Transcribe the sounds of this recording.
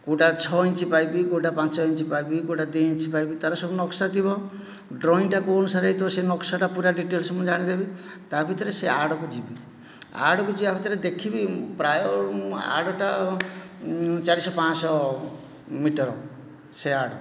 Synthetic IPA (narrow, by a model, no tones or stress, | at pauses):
koʈat͡ʃʰɔint͡ʃipajbikoʈapãt͡ʃɔint͡ʃipajbikoʈad̪iint͡ʃipajbit̪aɾɔsɔbunɔksat̪ibɔ | ɖɾɔinʈakuɔnusaɾait̪ɔsenɔksaʈapuɾaɖiʈelsɔmɔd͡ʒaɽ̃id̪ebi | t̪abʱit̪ɔɾeseaɽɔkud͡ʒibi | a̰ɽɔkud͡ʒibabʱit̪ɔɾed̪ekʰibipɾajɔa̰ɽɔʈa | t͡ʃaɾisɔpãsɔ | miʈɔɾɔ | seaɽɔ